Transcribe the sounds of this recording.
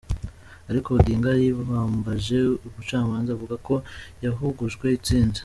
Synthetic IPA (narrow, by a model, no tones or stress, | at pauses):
aɾiko̞ɡiːŋɡajiβuhaːmbaʒe̞uβut͡ʃaːmaːnzavuɡako̞jaɦuɡuʒɡwe̞it͡siːndḁ